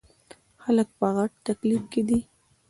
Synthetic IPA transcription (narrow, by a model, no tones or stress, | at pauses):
xalək̚pəɣaʈ̚t̪aklifked̪i